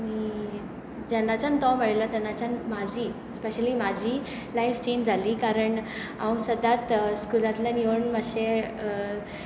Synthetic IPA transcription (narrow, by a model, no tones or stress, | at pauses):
miː | d͡ʑɛnːat͡ɕant̪ɔ̃məɽlət̪ɛnat͡ɕanmad͡ʑʱiː | speɕəliːmad͡ʑʱiː | lajft͡ɕeɲd͡ʑd͡zʱaliːkaɾəɳaw̃səd̪ʱat̪skulat̪laniʋəɳməɕe